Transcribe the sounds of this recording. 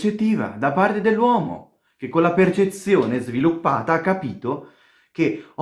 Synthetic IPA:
t͡ʃet̪ːiːva̰d̪apart̪ed̪elːwɔːmo̰ | k̟ekːonlapert͡ʃet̪sjoːnezvilupːa̰ːt̪aakːapiːt̪o | k̟e

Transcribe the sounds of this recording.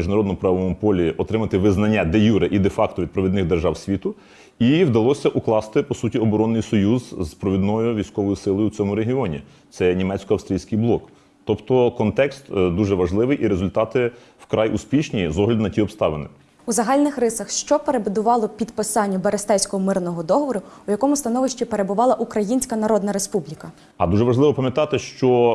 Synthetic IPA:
iʒnɐɾɔd̪nɔʊpɾɑʋɔmʊpɔlʲiɔt̪ɾɪmɐt̪ɪʋɪznɐnʲːad̪ejuɾɪʔid̪efɑkt̪ɔʋʲid̪̚pɾɔʋʲid̪nɪɣd̪erʒɑwsʲʋʲit̪ʊ | iwd̪ɐlˠɔsʲɐʔuklˠɑst̪ɪpɔsutʲiɔbɔɾɔnːɪjsɔjuzpɾɔʋʲid̪nɔjʊʋʲijsʲkɔʋɔjʊsɪlˠɔjʊut͡sʲɔmʊɾeɦiɔnʲḭ | t̪sɛnʲimɛt͡sʲsʲkɔɐwst̪ɾʲijsʲkɪjblˠɔk | t̪ɔpt̪ɔkɔnt̪ɛkst̪d̪uʒɛʋɐʒlˠɪʋɪjʔiɾezʊlʲt̪ɑt̪ɪ | wkɾʔɑjʔuspʲiʃnʲizɔɦlʲɐd̪nɐtʲiɔpst̪ɑʋenɪ | uzɐɦɑlʲnɪxrɪsɐxʃt͡ʃɔpeɾebʊd̪ʊʋɑlˠɔpʲid̪pɪsɑnʲːɐbɐɾest̪ɛwʲsʲkɔɦɔmɪrnɔɦɔd̪ɔɦɔʋɔɾʊujɐkɔmʊst̪ɐnɔʋɪʃt͡ʃʲipeɾebʊʋɑlˠɐʔukɾɐjinʲsʲkɐnɐɾɔd̪nɐɾespublʲikɐ | ɐ̰d̪uʒɛʋɐʒlˠɪʋɔpɐmʲjɐt̪ɑt̪ɪʃt͡ʃɔ

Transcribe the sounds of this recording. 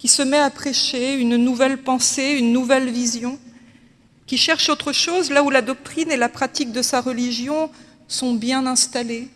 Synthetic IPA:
kʲisəmɛapχeʃeynnuvɛlpɑ̃seynːuvɛlvizjɔ̃ | kʲiʃɛʁʃot̪χəʃozlaulad̪ɔk̚t̪χinelapχat̪ik̚d̪əsaʁəliʒjɔ̃ | sɔ̃bjɛ̃nɛ̃st̪ale

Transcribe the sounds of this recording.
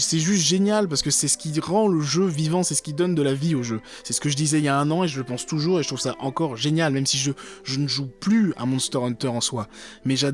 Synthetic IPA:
sɛʒyst̪ʒenjalpaʁsə̥kəsɛsə̥kʲiʁɑ̃ləʒøvivɑ̃sɛsə̥kʲid̪ɔnd̪əlavioʒø | sɛsə̥kəʒəd̪izɛiljaɛ̃nɑ̃eʒələpɑ̃st̪uʒuːʁeʒət̪χuvsaʔɑ̃kɔʁʒenjalmɛmsiʒəʒənəʒuplya̰mɔ̃st̪ɔʁɔ̃nt̪œʁɑ̃swamɛʒa

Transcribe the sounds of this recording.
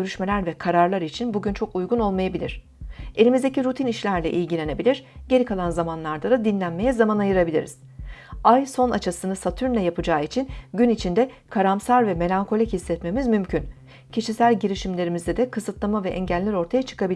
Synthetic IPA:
øɾyʃme̞lʲæɾvɛkʰaɾaɾlˠaɾit͡ʃʰinbuɟynt͡ʃʰo̞kujɡuno̞lˠmajabilʲḭɾ̝̥ | e̞lʲimizd̪e̞ciɾut̪ʰiniʃlʲæɾlʲɛʔilʲɟilʲe̞ne̞bilʲiɾɟe̞ɾʲikʰalˠanzamanlˠaɾd̪ad̪ad̪inlʲænme̞jɛzamanajɯɾabilʲḭɾiz̥ajso̞nat͡ʃʰasɯnɯsat̪ʰyɾnʲɛjapʰɯd͡ʒaːit͡ʃʰinɟynit͡ʃʰind̪ɛkʰaɾamsaɾvɛme̞lʲaŋkʰo̞lʲichisːɛt̪me̞mizmymcʰyn | cʰiʃisælʲɟiɾiʃimlʲe̞ɾimizd̪ɛd̪ɛkʰɯsɯt̪lˠamavɛʔɛɲɟælːʲiɾo̞ɾt̪ʰajat͡ʃʰɯ̥kabilʲ

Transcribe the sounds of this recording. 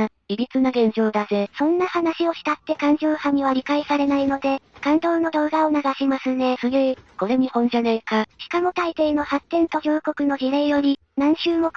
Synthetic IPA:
ɡʲiɾʲit͡sɨnaɡẽ̞ɲ̟d͡ʑo̞ːd̪aze̞sõ̞nːahanaɕio̞ɕi̥t̪at̪ːe̞kãɲ̟d͡ʑoːhamʲiβ̞aɾʲikaisaɾe̞naino̞d̪e̞kãnt̪o̞ːno̞d̪o̞ːɡaonaɡaɕimasɨne̞sɨɡeko̞ɾe̞ɲ̟ihõ̞ɲ̟d͡ʑanaikaɕi̥kamo̞t̪ait̪e̞ːno̞hat̪ːẽ̞nt̪o̞ɡʲoːko̞kɯ̟no̞ʑiɾe̞ːjo̞ɾʲi | nãɰ̃ɕɨːmo̞k

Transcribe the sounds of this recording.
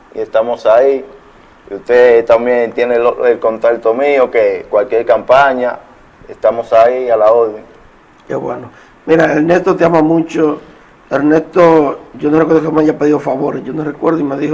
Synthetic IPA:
ḭe̞st̪amosai | ust̪et̪ambjent̪jeneloelkont̪alt̪omiokekwalkjeɾkampaɲa | est̪amosaialaoɾðeŋ | ḛβweno | miɾaelnest̪ot̪eamamũt͡ʃo | eɾnest̪oʝonorekweɾðokemaʝapeðiofaβoɾeʝonorekweɾðoimeðiho

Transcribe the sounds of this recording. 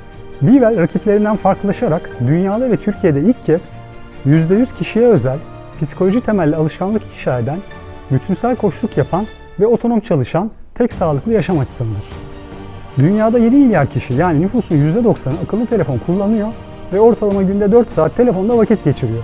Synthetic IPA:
bivælʲɾacʰiplʲe̞ɾind̪ænfaɾklˠɯlˠaʃaɾakd̪ynjaːd̪avɛt̪ʰyɾcʰije̞d̪ɛilʲcʰːɛs | jyzd̪ɛjyz̥cʰiʃijɛøzælʲ | pʰisi̥kʰo̞lʲo̞ʒit̪ʰe̞mælʲːialˠɯʃkanlˠɯki̥ʃaːɾed̪æn | byt̪ʰynsælʲkʰo̞ʃlˠukjapʰan | vɛo̞t̪ʰo̞no̞mt͡ʃʰalˠɯʃant̪ʰɛcsaːlˠɯklˠɯjaʃamast̪ʰɯnɯd̪ɯɾ̥ | d̪ynjaːd̪aje̞d̪imilʲijaɾcʰiʃijaːninyfuːsunjyzd̪ɛd̪o̞ksanɯakʰɯlˠːɯt̪ʰe̞lʲefo̞nkʰulˠːanɯjo̞ | vɛo̞ɾt̪ʰalˠamaɟynd̪ɛd̪øɾt̪saːt̪ʰːe̞lʲe̞fo̞nd̪avacʰɛt̪ɟe̞t͡ʃʰiɾijo̞

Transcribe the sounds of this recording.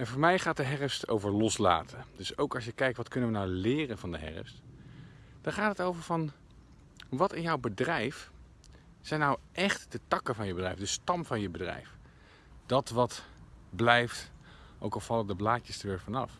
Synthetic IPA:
ɛnvʊːɹmɛjχaːt̚dəɦɛrəfsto̰wvəɹlɔsla̰ːtʰəndɵsowkɑsjəkɛjk̚tʋɑtkɵnənʋənawlɪːrənvɑndəɦɛ̰ɹə̰st | d̥ɑnχaːtətowvəɹvɑn | ʋɑtɪnjɔwbədrɛjf | sɛjnawʔɛχtd̥ətɑkəvɑnjəbədrɛjfdəstɑmvɑnjəbədrɛ̰jf | d̥ɑtʋɑtblɛjftʔo̰wkɑlˠv̥ɑlˠədəblaːcəstəɹʋɪːɹvɑnɑ̰f

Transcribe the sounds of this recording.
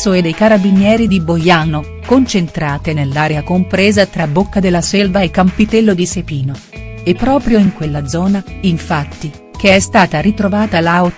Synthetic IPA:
soed̪ejkaɾabinjɛːɾid̪ibojaːno | kont͡ʃent̪ɾaːt̪enelːaːɾeakompɾeːzat̪ɾabokːad̪elːasɛlvaekːampit̪ɛlːod̪isepiːno | epːɾɔːpɾjoiŋkwelːad̪zɔːnaiɱfat̪ːi | k̟eɛst̪aːt̪aɾit̪ɾovaːt̪alao

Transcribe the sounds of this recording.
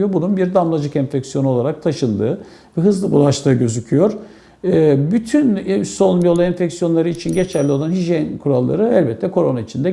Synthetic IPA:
jobununbiɾd̪amlˠad͡ʒɯkɛnfɛcsijouo̞lˠaɾak̚t̪ʰaʃɯnd̪ɯ̰ː | vɛɦɯzlˠɯbulˠaʃt̪ʰɯːɟø̞zycʰyjo̞ɾ̥ | ɯbyt̪ʰynsonbijo̞lˠaɛnfɛcsijo̞nlˠaɾɯit͡ʃʰinɟe̞t͡ʃʰɛlʲːio̞lˠanɦiʒijɛnkʰuɾalˠːa̰ɾɯɛlʲbɛt̪ʰlʲɛkʰo̞ɾo̞nait͡ʃʰind̪ɛ

